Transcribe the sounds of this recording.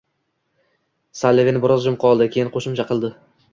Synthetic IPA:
salːevenɪbɪɾɒzd͡ʒʊmqʰɒlˠd̪ɪkʲʰe̞jɪnqʰoʃɪmt͡ʃʰaqʰɨlˠd̪ɪ

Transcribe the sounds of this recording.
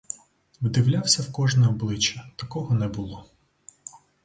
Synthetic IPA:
wd̪ɪwlʲawsʲɐwkɔʒnɛɔblˠɪt͡ʃːɐt̪ɐkɔɦɔnɛbʊlˠɔ

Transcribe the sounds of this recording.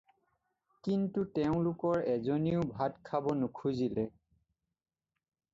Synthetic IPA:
kintutɛʊ̃lʊkɔɹɛzoniʊbʱatkʰabɔnʊkʰuzilɛ

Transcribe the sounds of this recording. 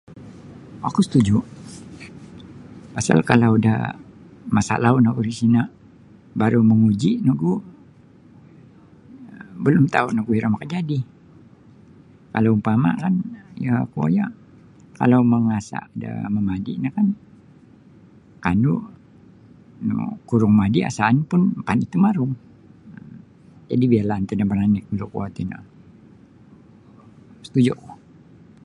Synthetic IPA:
akusə̥t̪ud͡ʒuʔ | pasa̰lkalauda̰ | masa̰ʔlaʊnakudisina | baɾuməŋud͡ʒiʔnəɡu | bəlʊmt̪aunaɡuhiɾamakəd͡ʒadi | kalaumpama̰kanjakua̰ja | ka̰lauməŋasa̰ʔdə̰məmadḭnəhkan | kanu | n̰kuɾʊŋmadiʔa̰saːnpʊnpanit̪umaɾʊŋ | əm | d͡ʒa̰dibialant̪ənaməɾanɪk̚dulukuat̪inə̰ | sə̥t̪ud͡ʒuʔʊ

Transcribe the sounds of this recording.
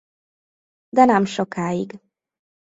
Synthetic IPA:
d̪ɛnɛmʃokaːjiɡ

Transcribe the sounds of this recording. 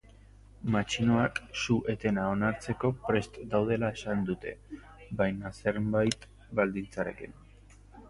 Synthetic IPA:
mat͡ʃinoaksuʔe̞t̪e̞nao̞naɾt͡se̞ko̞pɾe̞st̪d̪awð̞e̞lae̞sand̪ut̪e̞̰ | bajnase̞ɾbajt̪ | bald̪int͡saɾe̞̰kin

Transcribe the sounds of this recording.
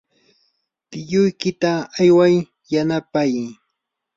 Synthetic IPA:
t̪ɪjʊjkɪt̪aːjwaj | janapaj

